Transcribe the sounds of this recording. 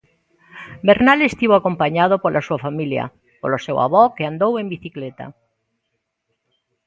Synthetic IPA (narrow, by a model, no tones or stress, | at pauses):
beɾnalest̪iβoakompaɲað̞opolʔasuafamilja̰ | po̰losewa̰βɔkeand̪owembiθiklet̪a̰